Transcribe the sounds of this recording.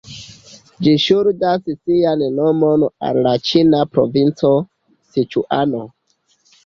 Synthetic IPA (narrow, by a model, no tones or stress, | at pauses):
d͡ʒiʃuɾdassiannomona̰llat͡ʃinapɾo̰vint͡so̞ | sit͡ʃṵʔano